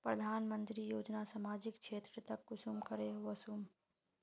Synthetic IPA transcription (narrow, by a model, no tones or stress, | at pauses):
pɾəd̪ʱaːnmə̃nt̪ɾijoːd͡ʒnasaːmaːd͡ʒɪkʃʰeːt̪ɾət̪ɐkːʊsumkəɾeʋɐsum